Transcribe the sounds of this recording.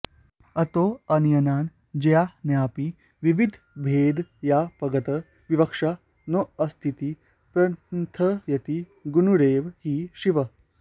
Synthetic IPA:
ɐt̪oɐnjɐnaːn | d͡ʑɐjanjaːpi | ʋiʋid̪ʱ | bʱeːd̪japɐɡət̪ə | ʋiʋɐkʂa | noɐst̪ʰit̪i | pɾɐt̪ʰəjɐt̪i | ɡunuɾeːʋhiːʃiʋə

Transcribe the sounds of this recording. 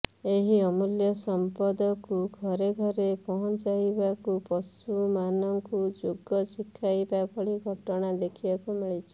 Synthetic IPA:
eɦiɔmuljɔsɔmpɔd̪ɔkuɡʱɔɾeɡʱɔɾepɔɦɔt͡ʃajbakupɔsumanɔŋkud͡ʒoɡɔsikʰːajbabʰʱɔɭiɡʱɔʈɔɽ̃ad̪ekʰibakumiɭit͡ʃʰi̥

